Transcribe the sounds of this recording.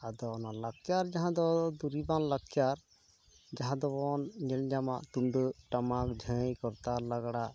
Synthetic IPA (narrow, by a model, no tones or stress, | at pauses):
ad̪ɔnalakjaɾd͡ʒaɦãd̪ɔd̪uɾibanlakjaɾ | d͡ʒaɦãd̪ɔbɔnɲɛld͡ʒamaʔt̪unɖəʈamakd͡ʒʱə̃jkɔɾt̪aɾlaɡaɽaʔ